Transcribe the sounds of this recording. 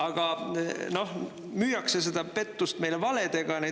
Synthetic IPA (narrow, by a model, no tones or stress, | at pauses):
ɑɡ̥ɑno̞h | myːjɑkses̬ed̪ɑpe̞t̪ːust̪me̞jlevɑle̞d̪̥e̞ɡ̥ɑne